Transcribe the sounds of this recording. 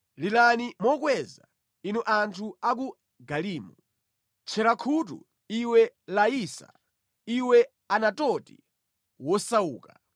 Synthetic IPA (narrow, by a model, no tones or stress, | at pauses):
lilanimɔkwɛza̰ | inuʔantʰuak̬u | ɡaliːmu | t͡ʃʰɛɾakʰutṵ | iwɛlaiːsa̰ | iwɛ | anatɔtḭ | wɔsauːka